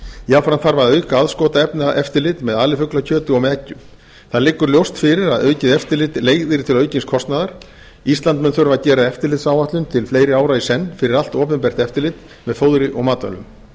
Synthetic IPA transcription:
jafɾanθaɾvaðœːɥkaaðskɔːt̪aɛpnaʔɛft̪ɪɾlɪt̪mɛðaːlɪfʏklacʰœːt̪ʏɔɣmɛːcːʏm | θaðlɪːkːʏɾljowst̪fɪɾɪɾaðœːɥcɪðɛft̪ɪɾlɪt̪leːjɣðɪɾt̪ʰɪlœːɥcɪnskʰɔst̪naðaɾ̥ | ist̪lant̪mɛnθœɾvaðcɛːɾaɛft̪ɪɾlɪːt̪saːwvaht̪lʏnt̪ʰɪlfleːjɾɪaːwɾaisɛnːfɪɾɪɾal̥t̪ɔːpʏmpɛr̥t̪ɛft̪ɪɾlɪt̪ | mɛðfowðɾɪʔɔɣmaːt̪ɔ̰nːʏ̰m

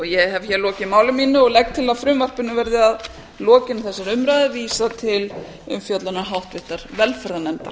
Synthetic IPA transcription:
ɔɣjɛhavçɛɾlɔːcɪmaːwlʏmiːnʏɔɣlɛk̚t̪ʰːɪlaðfɾʏmvar̥pɪnːʏvɛɾðɪað | lɔːcɪnθɛsːaɾʏmɾaːjðɪviːsat̪ʰɪl | ʏmfjœt̪lanaɦawht̪vɪht̪aɾ̥vɛlfɛɾanɛmt̪a̰ɾ

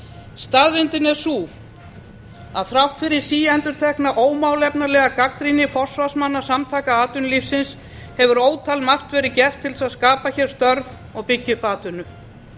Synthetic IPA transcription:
st̪aðvɪnt̪ɪnɛɾ̥suː | a̰ðθɾawht̪fɪɾɪ̥siːɛnt̪ʏɾ̥t̪ʰɛhknaʔoːwmawlɛpnalɛːɣakakɾinɪfɔr̥svasmanːḁsamt̪ʰaːkaaːt̪ʏnlifsɪns | hɛvʏɾoːwt̪ʰalmar̥t̪vɛːɾɪcɛr̥t̪ʰːɪlsaðskaːpaçɛɾ̥st̪œɾv | ɔɣpɪcːʏpaːt̪ʏnʏ

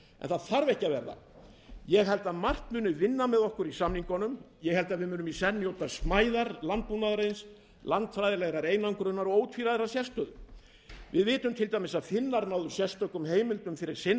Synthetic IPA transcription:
ʔɛ̰nθaðθaɾvɛhcavɛ̰ɾða̰ | jɛɣɦɛlt̪aðmar̥t̪mʏːnʏvɪnːamɛðɔhkʏɾisamniŋkɔnʏm | jɛhɛlt̪aðvɪðmʏːnʏmisɛnːɪjoːwt̪asmaːjðaɾlant̪̚punaðɾejns | lant̪fɾajðɪlɛɣɾaɾeːjnaŋkɾʏnːaɾɔɣoːwt̪ʰfiɾaðɛɾasjɛst̪œðʏ | vɪðvɪːt̪ʏmt̪ʰɪlt̪ajmɪsaðfɪnːaɾnawðʏ̥sjɛst̪œkʏmheːjmɪlt̪ʏmfɪɾɪɾ̥sɪn

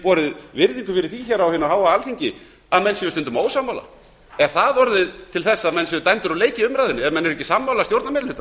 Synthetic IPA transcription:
pɔːɾɪðvɪɾðiŋkʏfɪɾɪɾ̥θiçɛɾawhɪnːaɦaːwaalθiɲcɪ | aðmɛnːsɛvʏst̪ʏnt̪ʏmoːwsamːawla̰ | ɛnθaðɔɾðɪðt̪ʰɪlθɛsːaːmɛnsɛvʏt̪ajnt̪ʏɾaleːjcɪʏmɾajðɪnːɪɛvmɛnːɛɾɛcːɪsamːawlast̪jowɾt̪namɛɾlɪlʏht̪ːa

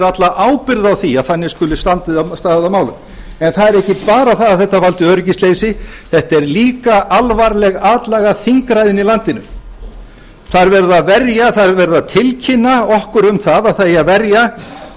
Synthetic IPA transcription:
ɾat̪laʔaːwpɪɾðawθiaðθanːɪskʏlɪst̪ant̪ɪðast̪aːðɪðamaːwlʏ̰m | ɛnθaðɛɾɛhcɪpaːɾaθaðaθɛht̪ːavalt̪ɪœːɾɪcɪsleːjsɪθɛht̪ɛɾliːkaʔalvaɾlɛɣaːt̪lɛɣaθiŋkɾajðɪnilant̪ɪnʏ̰ | θaɾvɛɾðaðvɛɾjaθaðvɛɾðat̪ʰɪlcʰɪnːaɔhkʏɾʏmθaðaθaavɛɾja

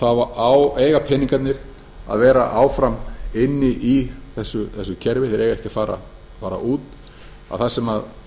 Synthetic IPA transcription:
θaðvaaːweːjɣapʰɛnĩŋkat̪nɪɾ | a̰ðvɛːɾa̰ʔaːwfɾamɪnːɪʔiθɛsːʏθɛsːʏcʰɛɾvɪθɛɾejɣaɛhcɪafaːɾa̰ | faːɾa̰ʔuːt̪ | a̰ðθḁsɛmað

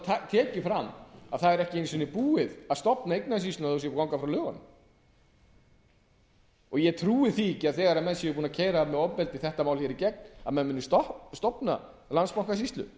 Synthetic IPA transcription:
at̪ʰɛːcɪfɾamːaðθaðɛɾɛhcɪenisvɪnːɪpuːɪðaðst̪ɔpnaejk̚naðsist̪ʏnaθuws̬jɛkawŋkafɾawlʏːɣanʏm | ɔɣjɛt̪ʰɾuːɪθicɪaðθɛːɣaɾamɛnsjɛvɪɾpuːnacʰɛːjɾamɛɔppɛlt̪ɪθɛht̪amaːwlçɛːɾicɛk̚na̰mɛnmʏnːʏst̪ɔst̪ɔpna̰ | lanspawŋkasist̪lʏ̰

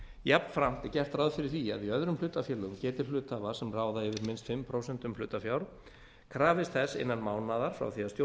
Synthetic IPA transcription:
japn̥fɾam̥t̪ɪ̥cɛr̥t̪ɾaðfɪɾɪɾ̥θia̰ðiœðɾʏmlʏːt̪afjɛlʏʏmcɛːt̪ɪɾ̥flʏːt̪avasɛmraːwðaɪvɪɾmɪnst̪fɪmːpʰɾowsɛnt̪ʏmflʏːt̪afjawɾ | kʰɾaːvɪst̪θɛsɪ̰nːanmaːwnaðaɾ̥fɾa̰wθiast̪jo

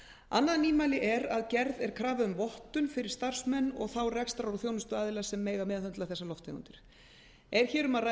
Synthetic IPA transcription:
a̰nːaðniːmalɪʔɛɾaðcɛɾðɛɾ̥kʰɾaːvaʏmvɔht̪ʏnfɪɾɪ̥ɾ̥st̪ar̥smɛnːɔ̰ɣθawrɛkst̪aɾaɾwθjoːwnʏst̪ʏaːðɪlasɛmːeːjɣamɛːðθœnt̪laθɛsːalɔft̪ḛɣʏ̰nt̪ɪɾ̥ | ɛɾ̥çɛːɾʏmara

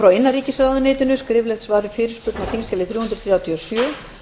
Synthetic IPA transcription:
fɾawɪnːaɾiːcɪsɾaːwðʏnɪːt̪ʏnʏskɾɪːvlɛxt̪svaːɾʏfɪːɾɪɾ̥spʏt̪nat̪ʰiŋskcɛlɪθɾjuːhʏnt̪ɾθɾjaːwt̪ʰiɔsjœː

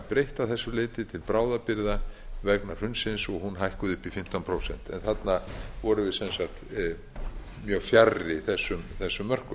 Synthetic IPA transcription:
pɾejht̪awθɛsːʏlejt̪ɪt̪ʰɪlpɾaːwðapɪɾðavɛknaɾ̥hʏnsɪnsɔɣɦunɦajhkʏðʏhpifɪm̥t̪anpʰɾowsɛ̰n̥t̪ɛ̰nθat̪navɔɾʏvɪðsɛnsat̪ | mjœːɣfjarːɪiθɛsːʏmθɛsːʏmːœr̥kʏm

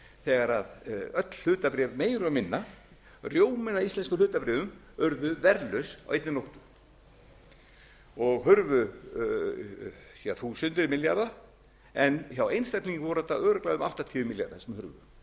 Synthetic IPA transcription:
θɛːɣaɾaðœt̪l̥hʏːt̪apɾɛːvmeːjɾʏamɪnːa | rjoːwmɪnaist̪ɛnskʏnʏːt̪apɾɛːvʏm | œɾðʏvɛɾlœɥsawʔejt̪nɪnowht̪ʏ̥ | ɔɣɦʏɾvʏ | çaθusʏnt̪ɪɾmɪljaɾða | ɛnçawejnst̪ɛk̪niŋkvɔɾʏ̥θɛt̪aœːɾʏklaðʏma̰ht̪at̪ʰiːvʏmɪlja̰ɾðasɛmhʏɾvʏ̰

